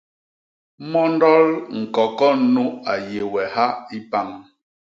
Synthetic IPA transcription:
mɔ˦n˦dɔ˦lŋ̩˨kɔ˨kɔ˦nu˦a˨je˨wɛ˨ha˦i˦pa˦ŋ

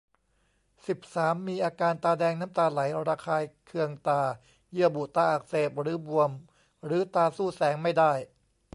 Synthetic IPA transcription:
si˨˩p̚saː˩˦mːiː˧ʔaː˧kaː˧nt̪aː˧dɛː˧ŋnaː˦˥mt̪aː˧la˩˦jɾaː˧kʰaː˧jkʰɯ˧əŋt̪aː˧˩ | jɯ˥˩əbu˨˩t̪aː˧ʔaː˨˩k̚seː˨˩p̚ɾɯː˩˦bu˧əm | ɾɯː˩˦t̪aː˧suː˥˩sɛː˩˦ŋma˥˩jdaː˥˩j

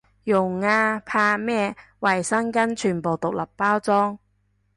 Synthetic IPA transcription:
jʊ˨˩ŋːaː˧pʰaː˧mɛː˥wɐ˨jsɐ˥ŋkɐ˥nt͡ʃʰyː˨˩npo˨wt̪ʊ˨k̚lɐ˨pːaː˥wt͡sɔː˥ŋ

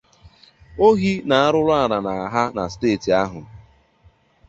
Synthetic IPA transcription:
o˦ɦi˦na˨a˦ɾʊ˦ɾa˦˨ɾa˨na˨a˨ɦa˦na˨steː˦˨ti˨a˦ɦʊ˨

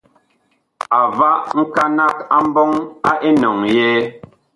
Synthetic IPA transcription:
a˨va˦ʔŋ̩˦ka˦na˦ka˦m̩˦bɔ˦ŋa˦ʔe˦nɔ˨ŋjɛ˦

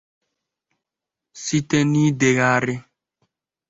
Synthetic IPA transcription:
si˦te˦ni˦de˨ɣa˦˨ɾɪ˦

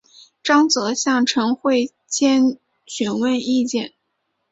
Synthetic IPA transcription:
ʈ͡ʂɑ˥ŋt͡sɤ˧˥ɕjɑ˥˩ŋʈ͡ʂʰɤ˧˥ŋxwe˥˩ɪ | t͡ɕjɛ˥n | t͡ɕʰy˧˥nwə˥˧ni˥˧t͡ɕjɛ˥˩n

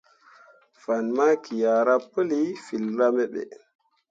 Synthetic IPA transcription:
fa˨nma˦kʰi˨ja˨ɾa˦pə˦li˦fi˨lɾa˦me˦ɓḛ˨

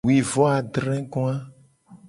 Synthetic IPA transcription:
wi˨vɔ˦a˨ɖ̪ɾɛ̃˦ɡɔ̃˦a˦

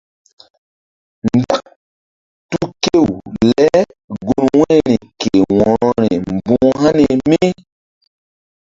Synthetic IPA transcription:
nɡa˦ | tu˦ke˦˨wlɛ˦ | ɡo˨nwɛ̃˦ni˨ke˨wɔ̃˨ɾɔ˦ɾɛ˨m˨bũ˦ɦa˦ne˨mi˦

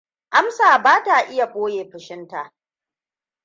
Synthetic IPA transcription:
ʔa˦msaː˨baː˦ta˨ʔɪ˦ja˨ɓʷʼoː˦jeː˨ɸɪ˨ʃɪ˦nta˨ʔ

